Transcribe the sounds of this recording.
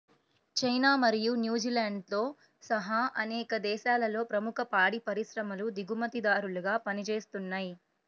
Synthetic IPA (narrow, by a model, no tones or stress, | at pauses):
t͡ʃɐjnaːmɐɾijunjuːd͡ʒiːlaːɳɖt̪o̞ː | sɐɦɐʔɐnɛːkɐd̪ɛːʃaːlɐlo̞ːpɾɐmukʰɐpaːɽipɐɾiʃɾɐmɐlud̪iɡumɐt̪id̪aːɾulɐɡaːpɐnit͡ʃe̞ːst̪unːaːji